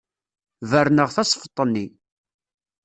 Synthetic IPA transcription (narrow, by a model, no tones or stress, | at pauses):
vəɾnəʁθɑsˤfə̥t̪ˤːənːi